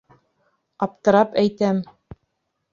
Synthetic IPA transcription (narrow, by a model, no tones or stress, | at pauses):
ɑp̚t̪ɤ̆ɾɑpæjt̪æm